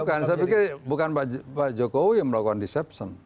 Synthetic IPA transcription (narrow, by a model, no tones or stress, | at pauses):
kansapikebukanbaʔd͡ʒbad͡ʒɔkowiəməlakukandisɛpsən